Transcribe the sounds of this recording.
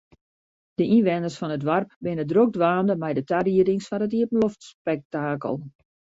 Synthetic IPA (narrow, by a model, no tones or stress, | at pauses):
d̥əinʋɛnərsfɔnətʋarp̚bɪnədrok̚dʋaːndəmɛjdətariəɾɪŋsfɔnətiəpən̩loftspɛk̚taːkə̰lˠ